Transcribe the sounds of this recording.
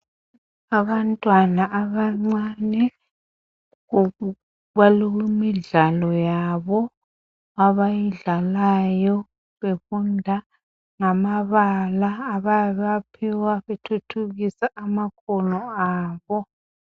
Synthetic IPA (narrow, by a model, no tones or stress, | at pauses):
aβantʼwanaʔaβaŋ͡ǀanɛ | ɣu | βaluɣimiɮalɔjaβɔ | aβajiɮalajɔ | βefundʱa | ŋamaβalaːβajaβapʰiwaβetʰutʰuɣisaamakʰɔlɔaːβɔ